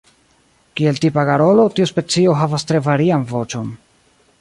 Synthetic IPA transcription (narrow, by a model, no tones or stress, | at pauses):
kie̞ltipaɡaɾo̞lo̞tiuspe̞t͡sio̞ɦavastɾe̞vaɾianvo̞t͡ʃo̞n